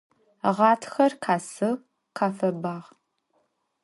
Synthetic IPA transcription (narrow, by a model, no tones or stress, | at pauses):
ʁɑːtʰxɐrqʰaːsɨ | qaːfɐbaːʁ